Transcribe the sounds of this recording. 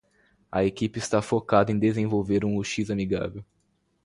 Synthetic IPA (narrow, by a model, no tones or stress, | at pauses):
ɐ̰ekipɪist̪afokad̪ɐẽj̃d̪ezẽvowveɾũoʃizamiɡa̰vew